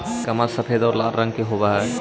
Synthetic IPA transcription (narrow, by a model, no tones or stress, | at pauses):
kɐmasəpʰed̪ɔːɾlaːɾɾə̃ŋɡkeɦobaɦɛ